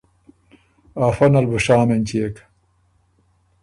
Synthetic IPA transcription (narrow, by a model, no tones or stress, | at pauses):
aːfɐnɐlbuʃaːmenʲt͡ɕiek